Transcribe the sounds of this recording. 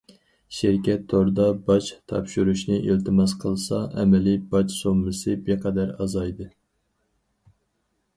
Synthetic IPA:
ʃiɾkʲɛt̪ʰːoɾd̪ɑbɑt͡ʃt̪ʰɑ̰pʃuɾuʃnɨʔelt̪ʰɪmɑsqʰəlˠsɑʔɛmɛlibɑt͡ʃsomːɨsɨbeqʰæd̪æɾɑzɑjd̪ɨ

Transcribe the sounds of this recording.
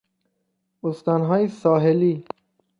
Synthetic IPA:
ost̪ɑːnɦɒːjesɒːɦeliː

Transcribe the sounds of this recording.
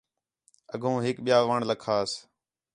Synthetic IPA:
ə̰ɡʱũːɦɪkɓɪjaːʋəːɳləkʰaːs

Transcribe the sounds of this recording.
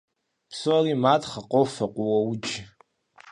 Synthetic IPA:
psoariːmaːtʰχɐqʷʼowfɐqʷʼʊwɐwʊd͡ʒ

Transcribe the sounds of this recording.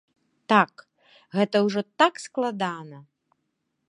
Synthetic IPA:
t̪ak | ɣɛt̪ɐwʐɔt̪aksklˠad̪anɐ

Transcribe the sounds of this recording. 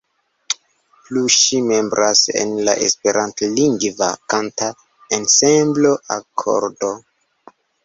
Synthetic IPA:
pluʃime̞mbɾʔasḛnla̰ʔḛspe̞ɾʔantliŋɡva̰kanta | ensembloʔakʰo̰ɾdo̞

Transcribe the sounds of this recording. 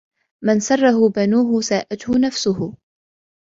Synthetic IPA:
mansɑrˤːɑɦʊbanuːɦʊsaːʔat̪hʊnafsʊhʊ

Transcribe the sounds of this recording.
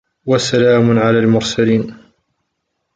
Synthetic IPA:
wasalaːmʊnʕalaːlmʊɾsaliːn

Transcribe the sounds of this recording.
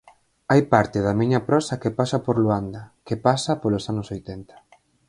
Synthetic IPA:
ajpaɾt̪ɪðɐmiɲɐpɾɔsɐkepasɐpoɾloand̪ɐkepasɐpolosanʊsojt̪ɛnt̪ɐ̥

